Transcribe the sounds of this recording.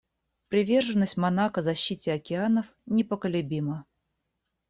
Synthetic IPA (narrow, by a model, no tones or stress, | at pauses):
pɾʲɪvʲe̞rʐɨnːəsʲtʲmɐnakəzɐɕːitʲɪɐkʲɪanəf | nʲɪpəkəlʲʊbʲimə